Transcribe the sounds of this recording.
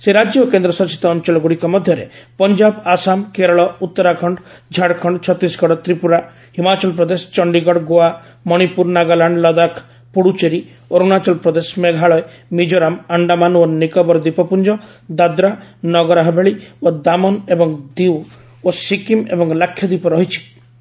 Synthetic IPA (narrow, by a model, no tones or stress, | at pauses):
seɾad͡ʒjokend̪ɾɔsɔsi̥t̪ɔːnt͡ʃɔlɔɡuɽikɔmɔd̪ʱjɔɾḛpɔnd͡ʒabasamkeɾɔɭɔut̪ːɔɾakʰɔɳɖd͡ʒʱaɽkʰɔɳɖt͡ʃʰɔt̪isɡɔɽɔt̪ɾipuɾa | himat͡ʃɔlpɾɔd̪esɔ̥t͡ʃɔɳɖiɡɔɽɡoa | mɔɽ̃ipuɾnaɡalaɳɖlɔd̪akʰ | puɽut͡ʃeɾi | oɾunat͡ʃɔlpɾɔd̪esmeɡʱaɭɔe | mid͡ʒoɾamaɳɖamanonikɔbɔɾd̪ipɔpund͡ʒɔ | d̪ad̪ɾanɔɡɔɾaɦɔbʱeɭiod̪amɔnebɔŋd̪iw | osikimḛbɔŋlakʰːjɔd̪ipɔɾɔɦit͡ʃʰi̥